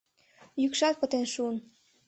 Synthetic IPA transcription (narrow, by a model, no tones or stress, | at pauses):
jykʃɑt̪̚pət̪enʃuən